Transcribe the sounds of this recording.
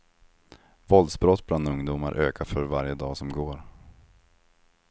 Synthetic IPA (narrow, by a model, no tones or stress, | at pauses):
vɔld̪sbɾɔt̪ːbland̪ɵŋd̪uːma̰ɾʔøːkʰafœɾvaɾjəd̪ɑːsɔmɡoːɾ